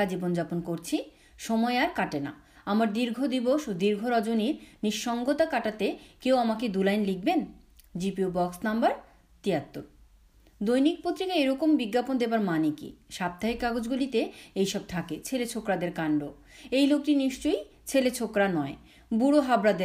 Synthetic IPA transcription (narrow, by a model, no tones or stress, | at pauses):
ad͡ʑibond͡ʑaponkoɾt͡ɕʰi | ʃɔmɔeaɾkaʈena̰ | amaɾd̪iɾɡʱod̪iboʃod̪iɾɡʱoɾɔd͡ʑoniɾniʃːɔŋɡot̪akaʈat̪ekewamaked̪ulajnliɡ̚ben | d͡ʑipiubɔksnambaɾ | t̪iat̪ːoɾ | d̪ojnik̚pot̪ːɾikaejɾɔkombiɡːapond̪ebaɾmanikḭʃab̚t̪aɦekːaɡod͡ʑɡulit̪eejʃɔb̚t̪ʰaket͡ɕʰelet͡ɕʰokɾad̪eɾkaɳɖo | ejlok̚ʈiniʃt͡ɕoj | t͡ɕʰelet͡ɕʰokɾanɔe | buɽoɦabɾad̪eɾ